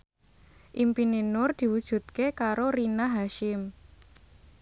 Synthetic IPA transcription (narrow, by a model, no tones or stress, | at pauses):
ʔimpinenʊrd̪̥i̤wud̥ʒ̥ṳt̪̚kekaɾoɾinaɦaʃɪm